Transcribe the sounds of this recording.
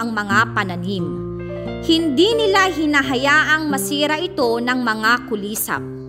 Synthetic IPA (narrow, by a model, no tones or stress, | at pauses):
ɐŋmɐŋapɐnɐnim | hɪnd̪inɪlaɦɪnaɦɐjaːʔɐŋmɐsiːɾɐʔɪt̪o̞nɐŋmɐŋakʊliːsa̰p̚